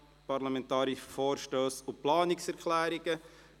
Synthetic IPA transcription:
pɑɾlamɛntɑːɾifoːɾʃtøːsʊplɑːnɪksɛɾkʰlæːɾiɡ̥ə

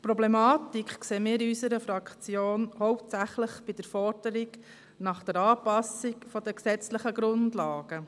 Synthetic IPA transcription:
pɾɔblɛmɑːt̪ikχkseːmɪːɾiysəɾəfɾɑkt͡sjoːnhɔwptsæχləχb̥id̥̪əɾfɔrd̥əɾiɡ | nɑχd̥̪əɾɑːpɑsikfɔd̥̪əksɛt͡sləχəɡɾʊndlɑːɡ̥ə

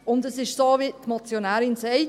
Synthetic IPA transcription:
ʊndəsɪʃsoːʋitmɑt͡sjonæːɾɪnsɛɪ

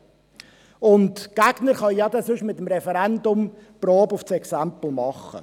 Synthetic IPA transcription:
ʊntɡ̥æɡ̥nəɾχɑjjɑd̪ɛsʏʃmɪt̪əmɾɛfɛɾændʊmproːbʊft͡sɛksæmpl̩ˠmɑχə̰

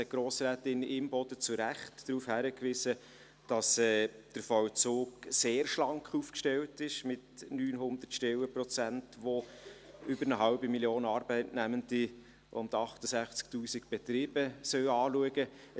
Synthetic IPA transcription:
əɡ̥ɾoːsɾæːtɪnʔɪmbɔd̥ət͡suɾæχtdɾuːfhæɾəkʋɪsə | d̥ɑsɛːd̥əɾfɔwt͡soːɡseːɾʃlɑŋkχufkʃtɛwtɪʃmɪtnyːnɦʊndərtʃtɛwəprɔt͡sæntʋo | ʏbəɾnəɦɑʊbimiljoːnɑːɾbɛɪtnæməndi | ʔʊ̰ndɑχtəsæχt͡sk̚tuːsikb̥ɛt̪ɾiːb̥əsœwɑːluəɡə

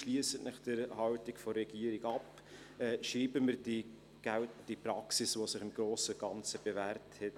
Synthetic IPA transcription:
ʃliəsətnɪχd̥əɾhɑwtɪkfɔrːɛɡ̥iəɾiɡɑp | ɛːʃɾiːbəməɾdi | ɡ̥d̥ipɾɑksɪsvosɪχɪmɡ̥ɾoːsəɡ̥ɑnt͡səb̥evæːɾthɛt

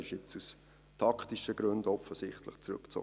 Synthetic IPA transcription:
ɪʃɪt͡sus | tʰɑkχtiʃəɡɾɵndɔfəsɪχtlə̰χt͡sɾɵ̰kt͡so̰ː

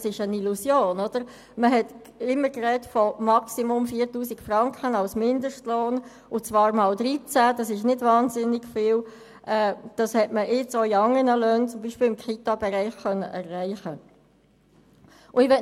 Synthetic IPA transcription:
sɪʃənilusjoːnɔd̥əɾ | məɦɛt | ɪmːəkrɛtfɔmɑksimʊmfiːɾtuːsikfrɑŋkʰənɑlsmɪndəʃtloːn | ʊt͡svɑːɾʁmɑːldɾit͡sæd̥ɑsɪʃnɪdvɑːnzɪnɪɡfɪːl | ʔɛːd̥ɑshɛtməʔɪt͡soiɑŋənəløːnt͡sʊmbiːʃpɪːlɪmkχitɑbɛɾæɪχkœnːə̰ʔɛrːæɪχə | ʔʊɪʋɛ

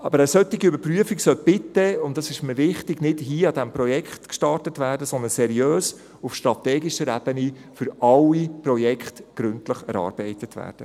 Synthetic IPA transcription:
ɑbəɾəsœtiɡiʏbəɾpryəfiksœlb̥ɪtːəʊntdɑsɪʃməvɪχtɪɡnɪdhiːɑdæmprɔjɛkχtkʃtɑrtətʋæːɾdəsɔnd̪ənsɛɾiøːs | ufʃtɾɑt̪ɛːɡiʃəɾæb̥əni | fʏɾɑwiprɔjɛkχtɡ̥ɾʏntləχɛ̰ɾɑ̰ːɾb̥ɛɪtətʋæ̰ːɾd̥ə

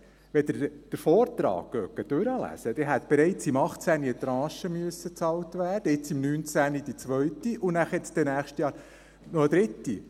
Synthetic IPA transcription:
ʋɛd̪əɾd̥əɾfoːɾt̪ɾɑ̰ːkɡ̥œkːəd̥øɾəlæ̰səd̥ɛɦæt̪b̥ɛɾɛɪt͡simɑχt͡sæniət̪ɾɑ̃ːʃəmyəsət͡sɑwtʋæːɾd̥əɪt͡simnyːnt͡sænid̥̪it͡sʋœɥtiʔunæχɛt͡sd̥̪ɛnæːχʃtjɑːɾ | nɔəd̪ɾɪt̪ːi

